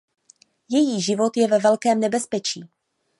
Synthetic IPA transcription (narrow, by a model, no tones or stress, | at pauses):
jɛjiːʒɪvo̞t̪jɛvɛvɛlkɛːmnɛbɛspɛt͡ʃiː